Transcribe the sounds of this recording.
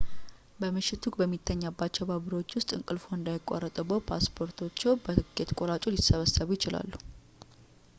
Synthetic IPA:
bəmɨʃːɪt̪ʰuɡbəmːit̪ʰːəɲːabːat͡ʃːɛwbaβɨɾo̞t͡ʃːwʊst̪ʼɨ̰ŋkʼɨlfo̞ɨnd̪ajɪkʼːa̰rːət̪ʼubːəwpʰa̰spʰo̞ɾt̪ʰo̞t͡ʃːɛwbəɡe̞t̪kʼoɾat͡ʃʼulisəβəsːəβujɪt͡ʃɪla̰lːu

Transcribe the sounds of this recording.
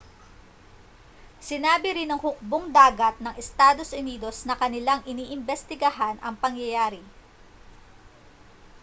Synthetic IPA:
sɪnaːbɪɾɪnɐŋhʊk̚boŋd̪aːɡɐt̪̚nɐŋʔɛst̪aːd̪o̞sʔʊniːd̪o̞snɐkɐnɪlaŋʔɪniːʔɪmbɛst̪ɪɡɐɦanɐ̰ŋpɐŋjɐjaːɾɪ

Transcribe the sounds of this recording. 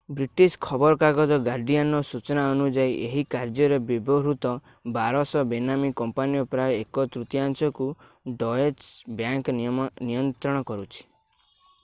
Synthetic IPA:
bɾiʈiskʰɔbɔɾɔkaɡɔd̪ɔɡaɾɖijanɔsut͡ʃɔnaɔnud͡ʒaiʔeɦikaɾd͡ʒɔɾebibɔɾut̪ɔ | baɾɔsɔbenamikɔmpanijɔpɾajɔekɔt̪ɾut̪ijansɔku | ɖɔet͡ʃbjaŋknnijɔnt̪ɾɔɽ̃ɔkɔɾut͡ʃʰi̥

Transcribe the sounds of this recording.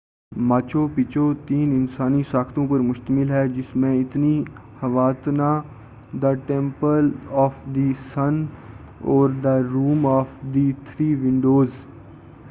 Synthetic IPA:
maːt͡ʃoːpɪt͡ʃot̪iːnɪnsaːnisaːkʰt̪õpəɾmʊʃt̪əmɪlɦɛd͡ʒɪsmẽɪt̪ni | hɐʋaːt̪na | d̪əʈẽmpəlɔːfʰd̪isən | ɔːɾd̪əɾuːmɔːfd̪it̪ʰɾiːʋɪ̃ɳɖoːz

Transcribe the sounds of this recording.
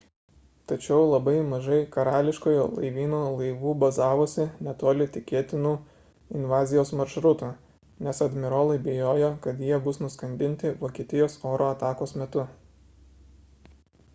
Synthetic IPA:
t̪ɐt͡ʃʲɛʊlˠɐbɐɪmɐʒɐɪkɐɾɑːlʲɪʃkoːjoːlˠɐ̰ɪʋʲiːnoːlˠɐɪʋuːbɐzɑːʋoːsʲɪnʲɛt̪oːlʲɪt̪ʲɪkʲeːt̪ʲɪnuː | ɪnʋɑːzʲɪjoːsmɐɾʃɾʊt̪uː | nʲɛsɐd̪ʲmʲɪɾoːlˠɐɪbʲɪjoːjoːkɐt̪jiɛbʊsnʊskɐnʲd̪ʲɪnʲt̪ʲɪʋoːkʲiɛt̪ʲɪjoːsoːɾoːɐt̪ɑːkoːsmʲɛt̪ʊ

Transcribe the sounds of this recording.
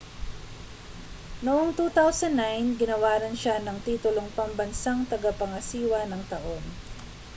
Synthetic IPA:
noʔoŋt̪uːt̪awsɐnːajnɡɪnɐwaːɾɐnʃanɐŋt̪iːt̪ʊloŋpɐmbɐnsaŋt̪ɐɡapɐŋɐsiːwɐnɐŋt̪ɐʔo̞n

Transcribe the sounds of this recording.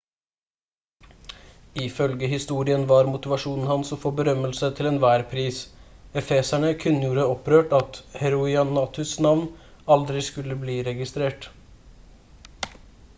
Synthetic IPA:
ɪfœlɡəɦɪst̪uːɾɪənʋɑːɾmʊt̪ɪʋɑʂuːnn̩hɑnsoːfoːbəɾœməlsət̪ʰɪlɛnʋæːɾpʰɾiːsɛfeːsæɳəkʰʉnəjuːɾəɔpɾøːʈɑt̪hɛɾʊɪɑnɑːt̪ʰʉsnɑʋn | ɑld̪ɾɪskʉlːəbliːɾɛɡɪst̪ɾeːʈ

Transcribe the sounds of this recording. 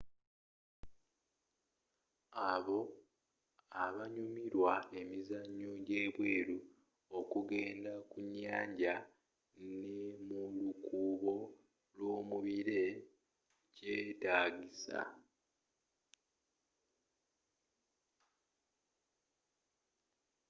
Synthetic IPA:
aβo̞ | aβaɲumiɾwae̞mizaɲːo̞ɟe̞βwe̞ːɾu | o̞kuɡe̞ːndakuɲːaːɲɟa | nemulukuːβo̞ | lwo̞ːmuβiɾe̞ | ɟeːtaːɡisa̰

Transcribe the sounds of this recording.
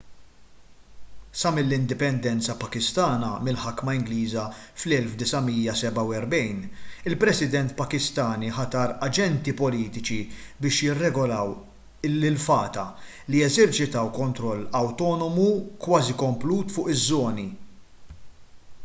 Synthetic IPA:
sɐmɪlːɪnd̪ɪpɛnd̪ɛnt͡sɐpɐkɪst̪ɐːnɐmɪlħɐkːmɐɪŋɡliːzɐ | flɛlfd̪ɪsɐmiːjɐsɛbɐwɛɾbɛjnɪlpɾɛsɪd̪ɛnt̪pɐkɪst̪ɐːniħɐt̪ɐːɾɐd͡ʒɛnt̪ipɔliːt̪ɪt͡ʃibɪːʃjɪrːɛɡɔlɐw | lːɪlfɐːt̪ɐ | lijɛzɛɾt͡ʃɪt̪ɐwkɔnt̪ɾɔlːɐwt̪ɔːnɔmukwɐːzikɔmpluːt̪fʊːʔɪzːɔːni

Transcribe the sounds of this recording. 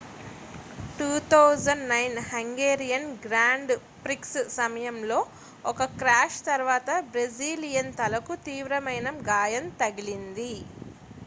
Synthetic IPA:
ʈuːt̪ʰɐwd͡ʒɐɳnɐjnhɐŋɡeːɾijɐnɡɾaːɳɖ | pɾikssɐmɐjɐmlo̞ː | ɔkɐkɾaːʃt̪ɐɾʋaːt̪ɐbɾed͡ʒiːlijɐnt̪ɐlɐkut̪iːʋɾɐmɐjnɐmɡaːjɐnt̪ɐɡilind̪i

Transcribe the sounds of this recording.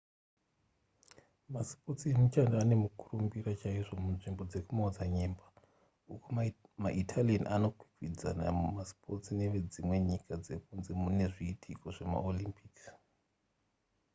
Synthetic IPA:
maspo̞tiemut͡ʃandaane̞mukurumbirat͡ʃaiʐo̞munʐimbo̞d͡ze̞kumad͡zaɲeːmba | ukomaʔitʰalienʔano̞kwi̥kid͡za̰na̰maspʰo̞tine̞ʋe̞d͡zimwe̞ɲikʰad͡ze̞kunzemune̞ʐiːtʰiko̞ʐe̞ma̰olimpʰiks

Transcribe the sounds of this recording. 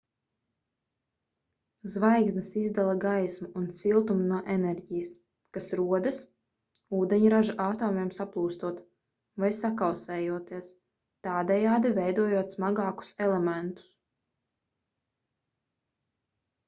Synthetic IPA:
zvajɡznɨsizd̪alˠaɡajsmuunt̪silˠt̪umunuɔʔenɛɾɟijəs | kasɾuɔd̪ɨs | uːd̪eɲuɾaʒaʔaːt̪oːmiɛmsaplˠuːst̪uɔt̪ | vajsakawsɛːjuɔt̪iɛs | t̪aːd̪ɛjaːd̪ivɛjd̪uɔjuɔt̪smaɡɑːku̥sɛlˠɛmɛnt̪u̥s

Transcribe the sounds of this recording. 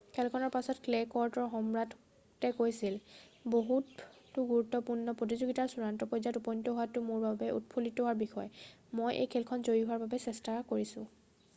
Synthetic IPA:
kʰɛlkʰɔnɔɹpasɔtklekɔɹtɔɹxɔmɹat | tɛkojsil | boɦutː | ʊɡuɹutːɔpuɹnɔpɹot̬izoɡitaɹsuɹantɔpɔjzatupɔjntɔɦowatʊmʊɹbabɛʔṵt̚pʰulitowaɹbixɔjɛ | mojʔḛjkʰɛlkʰɔnzoɹiɦuwaɹbabɛsɛstakoɹisʊ̰̃

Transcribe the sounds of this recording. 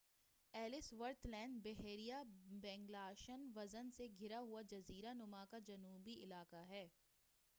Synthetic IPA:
ɛːlɪsʋɐɾt̪lɛ̃ːnɖbɛɦeːɾijabɛ̃ːŋɡlaːʃənʋɐzənseɡʱɪɾaɦʊad͡ʒɐziːɾanʊmakad͡ʒɐnuːbiɪlaːkaɦɛː

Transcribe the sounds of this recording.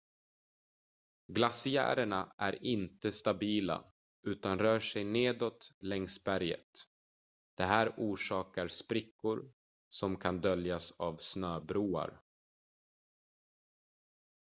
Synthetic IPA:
ɡlasɪæ̰ːɾəɳaʔæɾɪnt̪əst̪abiːla̰ | ʔʉ̟ːt̪anɾœːʂɛjneːd̪ɔt̪lɛŋsbæɾjə̰t̪ | d̪̥ɛɦæːɾuːʂɑːkaɾspɾɪkːʊɾ | sɔmkʰand̪œljasavsnøːbɾuːa̰ɾ

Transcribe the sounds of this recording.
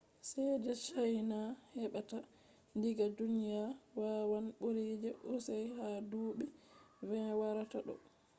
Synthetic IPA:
sɛd͡ʒɛt͡ʃajnahɛɓata | ndiɡadunijawawanɓoɾid͡ʒɛʔusajhaduːɓɛvɛnwaɾataɗɔ̰

